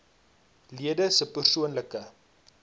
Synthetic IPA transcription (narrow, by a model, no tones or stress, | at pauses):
liədəsəpərsuənləkə